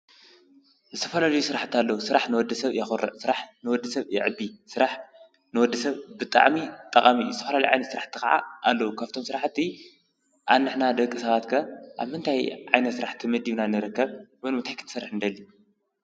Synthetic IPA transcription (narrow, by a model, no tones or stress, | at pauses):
zɨt̪ʰɐfɐlalɐjusɨɾaħt̪alːɐwusɨɾaħnɨwɔd̪ːɐsɐβjɛxuɾɐ̰ʔsɨɾaħnɨwɔd̪ːɐsɐβjɪ̰ʕɨbːisɨɾaħ | nɨwɔd̪ːɐsɐβbɨt̪ʼa̰ʕmit̪ʼɐkʼamizɨt̪ʰɐfɐlalɐjʕa̰jnɐt̪sɨɾaħt̪ʰːɨxa̰ʕa̰ʔalːɐwukʰaft̪ʰomsɨɾaħt̪ʰːi | ʔanːɨħnad̪ɐkʼːɨsɐβat̪kʰɐʔaβmɨnt̪ʰajʕajnɐt̪sɨɾaħt̪ʰimɐd̪iβnanːɨɾɨkːɐβwɨnɨnt̪ʰajkʰɨt̪ʰɨsɐrːɨħɨnd̪ɐlːi